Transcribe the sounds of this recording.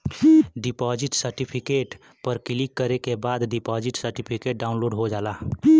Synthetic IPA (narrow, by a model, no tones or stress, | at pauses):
ɖipɔːd͡ʒiʈsəɾʈipʰikeːʈ | pəɾkɪlikːəɾekebaːd̪ɖipɔd͡ʒiʈsəɾʈipʰikeʈ̚ɖaʊnloːɖɦod͡ʒaːla